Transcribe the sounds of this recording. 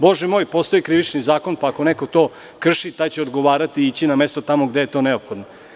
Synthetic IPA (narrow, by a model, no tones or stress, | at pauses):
bo̞ʒɛmo̞ːjpo̞st̪o̞jikɾiʋit͡ʃnizaːko̞npaːko̞neko̞t̪o̞ː | kr̩ʃit̪ajt͡ɕeod̪ɡoʋaːɾat̪iit͡ɕiname̞st̪o̞t̪amoɡd̪ejet̪o̞ːneopxo̞d̪no